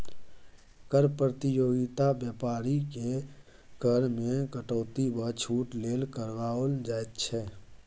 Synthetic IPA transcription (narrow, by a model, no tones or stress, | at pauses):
kəɾpɾət̪ɪjoːɡɪt̪abjəːpaːɾike | kəɾmẽkəʈɔːt̪ibət͡ʃʰuːʈleːlkəɾʋaːəld͡ʒaːet̪t͡ʃʰɛ